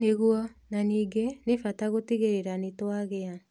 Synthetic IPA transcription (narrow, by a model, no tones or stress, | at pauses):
neɣuɔnaniːɡenefataɣotiɣeɾeɾanetwaɣea